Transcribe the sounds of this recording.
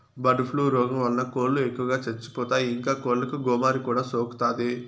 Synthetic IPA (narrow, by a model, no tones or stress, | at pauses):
bɐɖupʰluːɾɔːɡɐmʋɐlnɐkoːllːuekːuʋɐɡaːt͡ʃet͡ʃːu̥pɔːt̪aːjiiŋkaːkoːllɐkuɡɔːmaːɾikuːɽaːsoːku̥t̪aːd̪i